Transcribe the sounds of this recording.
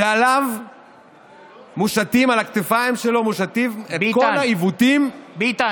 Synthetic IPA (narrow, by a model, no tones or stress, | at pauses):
ealav | muʃat̪imalakt̪efaimʃelo̞muʃat̪imetkolaivut̪im